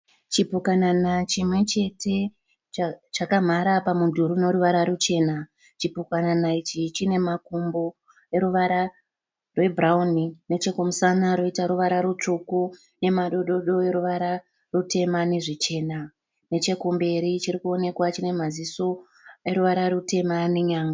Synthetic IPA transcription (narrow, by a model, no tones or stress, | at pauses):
t͡ʃipukananat͡ʃimwe̞t͡ʃe̞te̞ | t͡ʃakam̤aɾapamundʱuɾuno̞ɾuʋaɾaɾut͡ʃe̞ːna | t͡ʃipukananait͡ʃit͡ʃine̞makumbo | e̞ɾuʋaɾa | rwe̞bʱraunine̞t͡ʃe̞kumusanaɾo̞itaɾuʋaɾaɾut͡ʂuku | ne̞maɗoɗo̞ɗo̞e̞ɾuʋaɾa | rute̞mane̞ʐit͡ʃe̞ːna | ne̞t͡ʃe̞kumbe̞ɾit͡ʃiɾikuo̞ne̞kwat͡ʃine̞maziso̞ | eɾuʋaɾarute̞maneɲaːŋɡa